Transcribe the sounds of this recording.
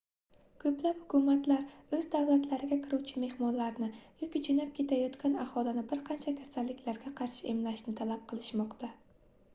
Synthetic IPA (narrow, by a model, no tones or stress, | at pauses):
kʰɵplaphʊ̥kʰumat̪laɾɵzd̪awlat̪laɾɪɡʲakʲʰɪɾuwt͡ʃʰɪme̞hmɒnlaɾnɪjokʲid͡ʒʰʊnap̚kʲʰe̞t̪ʰajɒt̪kʲanahɒlˠɪnɪbɪɾqʰɑnt͡ʃʰakʲʰasalːɪkʲʰlaɾɡʲaqʰɑɾʃɪʔemlaʃnɪt̪ʰalap̚qʰɨlˠɪʃmɒqt̪ʰa